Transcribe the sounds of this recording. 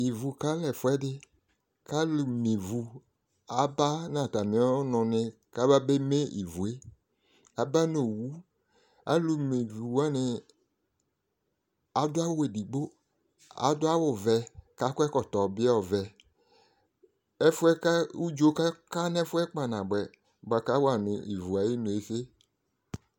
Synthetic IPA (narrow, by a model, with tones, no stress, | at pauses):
i˨vu˨ka˦lɛ˨fʊ˦ɛ˦dɪ˦ | ka˦lu˨me˨vu˨ | a˨ba˦nã˨ta˨mĩ˨˦ɔ˦nʊ̃˨nɪ̃˨ | ka˦ba˦be˦me˦ḭ˨vu˨e˦ | a˦ba˦no˨wu˦ | a̰˨˦lu˨me˨vu˨wu˦a˦nɪ˨ | a˨dʊ˦a˦wʊ˦e˨di˨ɡ͡bo˦ | a̰˨˦dʊ˦a˦wʊ˨vɛ˨ka˦kʊ˦ɛ˦kɔ˨tɔ˨bɪ˦˨vɛ˨ | ɛ˦fʊ˦ɛ˦ka˦u˦d͡ʒo˦ka˦ka˦n˦ɛ˦fʊ˦ɛ˦k͡pa˨nã˨ɡ͡bɛ˨ | ɡ͡ba˨ka˦wa˨nʊ˨i˨vu˨a˨ji˦nʊ̃˨e˨se˦